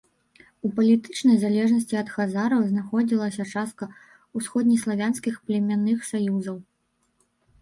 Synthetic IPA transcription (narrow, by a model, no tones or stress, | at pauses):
upɐlʲit̪ɨt͡ʂnɐjzalʲɛʐnɐsʲt͡sʲiɐt̪xazaɾɐwznaxɔd͡zʲilˠɐsʲɐt͡ʂast̪̚kɐ | usxɔd̪ʲnʲislˠavʲanskʲixplʲɛmʲanɨxsajuzɐw